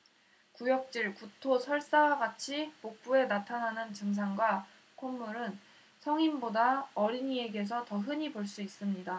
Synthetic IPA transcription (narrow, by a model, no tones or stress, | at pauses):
kujʌk̚t͡ɕ͈iɭkutʰosʰʌɭs͈awaɡat͡ɕʰipok̚p͈ue̞natʰanɦanɯnt͡ɕɯŋs̬ʰaŋɡwa | kʰomːuɾɯn | sʰʌŋimbodaʌɾiɲie̞ɡe̞s̬ʰʌtʌɦɯɲiboɭs͈uis͈ɯmɲida